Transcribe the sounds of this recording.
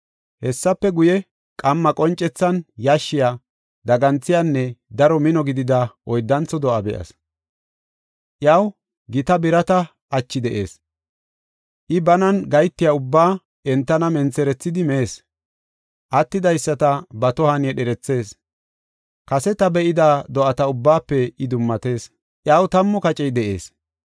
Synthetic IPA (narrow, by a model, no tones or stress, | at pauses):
hɛsːɐpːɛɡʊjɛ | kʼɐmːɐkʼɔnt͡ʃʼːɛt͡sːɐnjaʃːɪjaː | d̪ɐɡɐnt͡sːɪjanːɛd̪ɐɾɔmɪnɔɡɪd̪ɪd̪ɐʔɔjd̪ːɐnt͡sːɔd̪ɔʔɐbɛʔɐ̰s | ʔjɐw | ɡɪt̪ɐbɪɾɐt̪ɐ | ʔɐt͡ʃːɪd̪ɛʔe̞̰ːs | ʔɪbɐnɐnɡɐjt̪ːɪjaʊbːaː | ɛnt̪ːɐnɐmɛnt͡sɛɾɛt͡sːɪd̪ɪmɛeːs | ʔɐt̪ːɪd̪ɐjsːɐt̪ɐbɐt̪ɔhɐnɛɗɛɾɛt͡sːe̞ːs | kɐsɛt̪ɐbɛʔɪd̪aːd̪ɔʔɐt̪ɐʊbːaːpːɛɪd̪ʊmːɐt̪e̞ːs | ʔjɐwt̪ɐmːɔkɐt͡ʃʼɛjd̪ɛʔe̞̰ːs